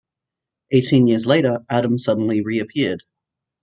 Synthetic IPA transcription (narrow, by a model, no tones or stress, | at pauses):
ʔeɪtʰĩnjɪɹzleɪɾə˞æɾə̃msʌdⁿn̩liɹiɨpʰɪɹd̥